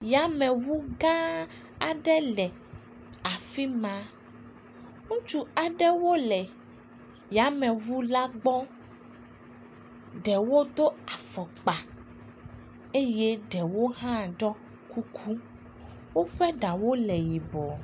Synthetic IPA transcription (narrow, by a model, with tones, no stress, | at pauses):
ja˨˦mɛ̃˨wu˦ɡã˦ | a˨ɖɛ˦lɛ˨ | a˨fi˦mã˦ | ŋũ˦t͡ʃu˦a˨ɖɛ˦wo˦lɛ˨ | ja˨mɛ̃˨vu˦la˦ɡ͡bɔ˦ | ɖɛ˨wo˦d̪o˦a˨fɔ˨k͡pa˨ | e˦je˦ɖɛ˨wo˦ɦã˦ɖɔ˦ | ku˦kʰu˦ | wo˦ɸɛ˦ɖa˨wo˦lɛ˨ji˨bɔ˨